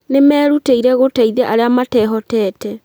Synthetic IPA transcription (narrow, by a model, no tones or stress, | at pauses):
nemɛːɾuteiɾɛɣotaiðɛʔaɾeamatɛːɦɔtɛːtɛ